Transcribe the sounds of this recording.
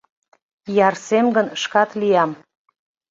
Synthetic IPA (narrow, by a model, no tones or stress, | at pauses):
jɑrsemɡənʃkɑt̪lijɑm